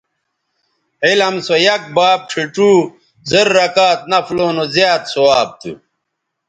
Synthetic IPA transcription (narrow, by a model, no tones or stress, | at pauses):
ilɐmsojɐk̚baːb̚ʈ͡ʂʰiʈ͡ʂuː | zeɾːɐkaːt̪̚nɐfloːnozjaːt̪sowaːb̚t̪ʰṵ